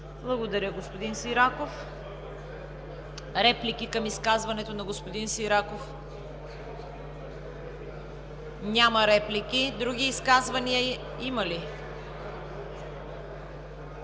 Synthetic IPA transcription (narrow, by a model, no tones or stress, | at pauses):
blˠɐɡod̪ɐɾʲəɡospod̪insiɾakof | ɾɛplikikɐmiskazvɐnɛt̪onɐɡospod̪insiɾakof | nʲamɐɾɛplikid̪ɾuɡʲiːskazvɐniə | imɐli